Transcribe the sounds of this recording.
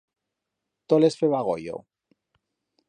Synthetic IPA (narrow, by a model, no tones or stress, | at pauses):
t̪olesfeβaɣo̰jo̰